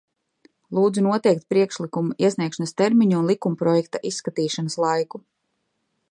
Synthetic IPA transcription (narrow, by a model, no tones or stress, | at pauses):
lˠuːd̪zunuɔt̪ɛjk̚t̪̚pɾiɛkʃlikumuiɛsniɛkʃanast̪ɛɾmiɲuːnlˠikumpɾɔjɛk̚t̪aʔisːkat̪iːʃanaslˠajku